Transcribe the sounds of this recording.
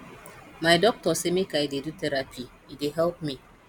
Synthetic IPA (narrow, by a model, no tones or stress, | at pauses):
majdɔk̚tɔsɛmikaidedutɛɾapʰi | ideɦɛlp̚mi